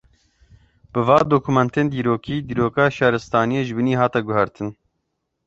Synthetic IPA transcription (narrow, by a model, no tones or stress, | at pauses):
b̥ɨvɑːd̪oːkʰumɛnt̪eːnd̪iːɾoːkiːd̪iːɾoːkɑːʃɑːɾɨst̪ɑːnijeʒɨbɨniːɦɑːt̪ɛɡʊɦɛɾt̪ʰɨn